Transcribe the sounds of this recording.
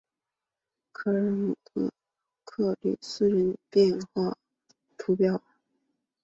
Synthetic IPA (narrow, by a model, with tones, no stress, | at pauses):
kʰɤ˥˩ɻə˧˥n˨˩t̪ə̰˧˥ | kʰɤ˥˧ly̰˨˩sɹ̩˥ɻə˧˥npjɛ˥˧nxwa˥˩ | t̪ʰu˧˥pjɑ˥˩ʊ